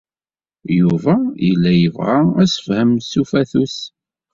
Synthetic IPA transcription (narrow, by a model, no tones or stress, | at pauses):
juvæjəlːæjəvʁaæsə̥fhəmsufæθus